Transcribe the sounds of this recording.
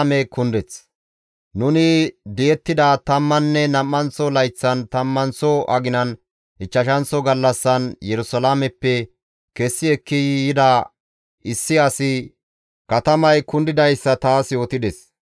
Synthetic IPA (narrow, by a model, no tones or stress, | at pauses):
mɛkʊnd̪ɛt͡s | nʊnɪd̪ɪjɛt̪ːɪd̪ɐt̪ɐmːɐnːɛnɐmːɐnsɔlɐjt͡sːɐnt̪ɐmːɐnsɔʔɐɡɪnɐn | ʔɪt͡ʃːɐʃɐnsɔɡɐlːɐsːɐnjɛɾʊsɐlaːmɛpːɛ | kɛsːɪɛkːɪjɪd̪ɐ | ʔɪsːɪɐsɪ | kɐt̪ɐmɐjkʊnd̪ɪd̪ɐjsːɐt̪aːsjo̞ːt̪ɪd̪ɛs